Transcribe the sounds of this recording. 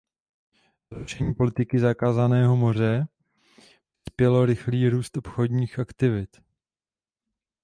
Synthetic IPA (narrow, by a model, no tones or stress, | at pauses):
zɾuʃɛɲiːpo̞lɪt̪ɪkɪzakaːzanɛːɦo̞mo̞r̝ɛ | pɪ̥spjɛlo̞ɾɪxliːɾuːst̪ʔopxo̞dɲiːxʔakt̪ɪvɪt̪